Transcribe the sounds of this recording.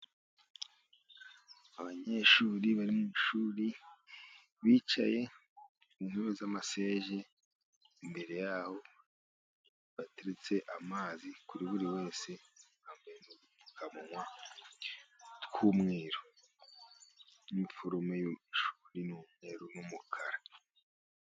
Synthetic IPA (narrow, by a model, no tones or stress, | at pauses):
aβaɲe̞ːʃuːɾiβaɾimuiʃuːɾi | βiːt͡ʃa̰je̞ | unheβezamase̞ːʒe | imbe̞ɾe̞jaho̞ | βate̞ɾet͡se̞ʔamaːzikuɾiβuɾiwe̞ːse̞haːmbeɾenoɡuu̥kʰamuŋwa | tkʰuːmŋeːɾo | niɱfoɾomejoiʃu̥ɾinumŋe̞ːɾonumukʰaɾa